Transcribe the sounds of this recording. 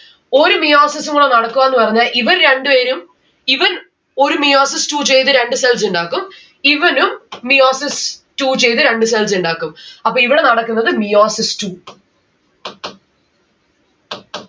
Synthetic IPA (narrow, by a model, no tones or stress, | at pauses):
o̞ɾumijoːsisuŋuɽenɐɽɐkːuʋaːenːɨpɐrɐɲːaːlʔiʋɐnɾe̞ɳɖɨʋeːɾum | iʋɐn | o̞ɾumijoːsistuːt͡ɕe̞jt̪ɨɾe̞ɳɖɨsels̬uɳɖaːkːum | iʋɐnumːijoːsistuːt͡ɕe̞jt̪ɨɾeɳɖɨs̬els̬uɳɖaːkːumɐpːoːiʋiɽe̞nɐɽɐkːunːɐðɨmijoːsistuː